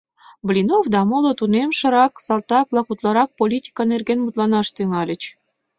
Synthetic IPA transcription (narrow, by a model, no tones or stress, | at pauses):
blʲinofd̪ɑmolot̪unemʃə̆ɾɑksɑlt̪ɑk̚blɑkut̪lɑɾɑk̚polʲit̪ʲi̥kɑnerɣenmut̪lɑnɑʃt̪yŋɑlʲə̆t͡ɕ